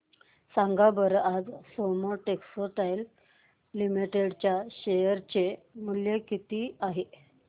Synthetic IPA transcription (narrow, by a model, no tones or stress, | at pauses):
sãŋɡabəɾad͡zsoməɾʈeksoʈajlː | imiʈeɽt͡ɕjaɕejəɾt͡ɕemuljekit̪iːaɦe